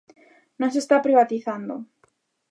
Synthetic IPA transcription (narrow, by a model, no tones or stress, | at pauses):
nõŋsest̪apɾiβat̪iθand̪o